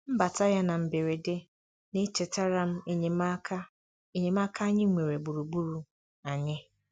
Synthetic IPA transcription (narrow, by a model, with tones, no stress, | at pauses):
m̩˦ba˨ta˦ja˦na˨m̩˨be˨ɾe˨de˦ | ne˦t͡ʃe˨ta˦ɾa˦m̩˦e˨ɲɪ˨ma˦ka˦ | e˦ɲe˨m˦a˦kʰa˦ɲɪ˦ŋʷe˨ɾe˨bu˨ɾu˨bu˦ɾu˨ | a˨ɲɪ˦